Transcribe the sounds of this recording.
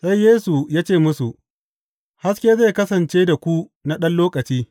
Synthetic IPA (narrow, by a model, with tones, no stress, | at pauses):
sa˦jjeː˦su˨jaː˦t͡ʃeː˦˨mʊ˦su˨ʔ | ha˦skʲeː˦ze˦˨kɐ˦sɐ˨nt͡ʃeː˦da˨kʷu˦na˦ɗɐ˦nloː˦kʼɐ˨t͡ʃiː˦